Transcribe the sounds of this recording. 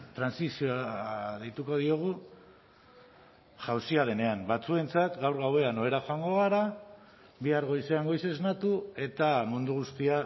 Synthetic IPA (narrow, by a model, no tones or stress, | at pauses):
t̪ɾansisioðejt̪uko̞ðio̞ɣ̞u | ʝawsiaðe̞ne̞ambat͡sue̞nt͡sat̪ɡawɾɣawe̞ano̞e̞ɾaxoaŋɡo̞ɣ̞aɾa | biaɾɣo̞jse̞aŋɡo̞jse̞znat̪ue̞t̪amund̪uɣ̞ust̪ia